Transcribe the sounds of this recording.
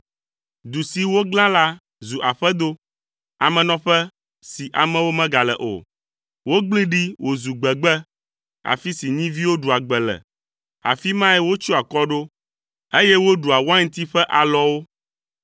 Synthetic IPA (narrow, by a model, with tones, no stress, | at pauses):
d̪u˨si˨wo˦ɡlã˦la˦ | zu˨ʔa˨ɸɛ˦d̪o˦ | a̰˨mɛ̃˨nɔ̃˨ɸɛ˦ | si˨ʔa˨mɛ̃˦wo˦mɛ̃˦ɡa˨lɛ̰˨ʔo̰˨ | wo˦ɡ͡bli˦ɖi˦wʔo˨zu˨ɡ͡bɛ˨ɡ͡bɛ˦ | a̰˨fi˦si˨ɲĩ˦vi˦wo˦ɖu˨a˨ɡ͡bɛ˨lɛ̰˨ | a̰˨fi˦mã˦ɛ˦wo˦t͡ʃu˦a˨kɔ˦ɖo˦ | e˦jɛ˦wo˦ɖu˨a˨wa˦ŋ̩̃˦t̪i˦ɸɛ˦ʔa˨lɔ˦wo˦